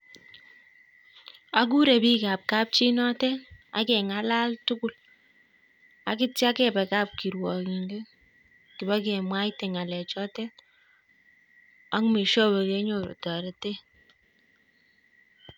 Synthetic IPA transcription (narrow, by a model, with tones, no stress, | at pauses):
a˦k̬u˦ɾe˨pi˦ka˨p̚ka˦p̚t͡ʃi˦nɔ˦tɛ˦a̰˨kɛ˨ŋa˦la˦ltʊ˦kʊ˨l | a˨ki˦tja˦kɛ˦pɛ˨ka˦˨p̚ki˨ɾwɔ˨ki˨ŋɡe˦ | kɪ˨ba˦kɛ˨mwa˦tɛ˨ŋa˨lɛ˨t͡ʃɔ˦tɛ˦ | a˦ŋme˨ʃɔ˦bɔ˨ke˦ɲo˨ɾo̰˨tɔ˨ɾe˨te˦